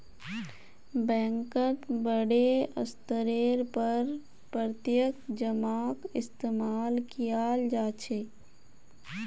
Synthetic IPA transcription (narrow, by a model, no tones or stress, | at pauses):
bɛ̃ːŋkətbəɽeə̰st̪əɾeːɾpəɾ | pɾət̪jəkd͡ʒəmaːkɪst̪eːmaːlkijald͡ʒaːt͡ʃʰeː